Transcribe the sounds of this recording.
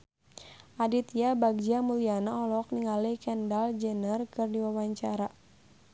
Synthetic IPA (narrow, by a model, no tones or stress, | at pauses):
ʔadit̪jabaɡ̚d͡ʒamulianaɔlɔk̚niŋalikɛndald͡ʒɛnərkɨrdiwawaɲt͡ʃaɾa